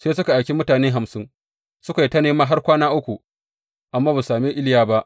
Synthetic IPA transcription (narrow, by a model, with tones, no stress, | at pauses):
seː˦sʊ˦ka˨ʔa˨jkʲi˦mʊ˦taː˨neː˦ɦa˨msɪ˦n | sʊ˦ka˨ji˦tɐ˦neː˦maː˦ɦa˦rkʷaː˦naː˦ʔʊ˦kʷu˨ | ʔa˨mːaː˦ba˨saː˨meː˦ʔɪ˦ljaː˦ba˦ʔ